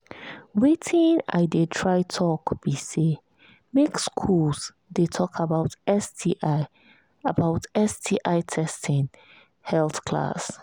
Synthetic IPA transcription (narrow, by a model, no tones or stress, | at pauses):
wetʰĩna̰ɪdetʰɹaɪtʰɔkb̥ise | mekskʰuls | detʰɔkʰabaʊtɛsdiʔ | abaʊtɛsdiʔaɪtʰɛstʰɪ̃n | hɛlθkʰla̰s